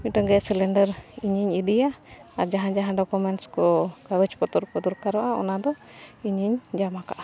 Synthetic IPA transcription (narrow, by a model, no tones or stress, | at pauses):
miʈɔŋɡɛsɛlɛɳɖəɾiɲiɲiɖijaaɾd͡ʒaɦãd͡ʒaɦãɖɔkumɛnʈskɔkaɾut͡ʃpɔt̪ɔɾpɔt̪ɔɾkaɾɔʔaɔ̰nad̪ɔ | iɲiɲd͡ʒamaka̰ʔḁ